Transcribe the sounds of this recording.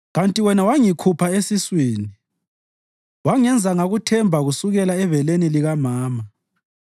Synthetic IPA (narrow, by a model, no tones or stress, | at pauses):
ɣantʼiwɛnawaŋikʰupʰaesiswiːni | waŋɛnd͡zʱaŋaɣutʰɛmbʱaɣusuɣɛlaɛvɛleniliɣamaːma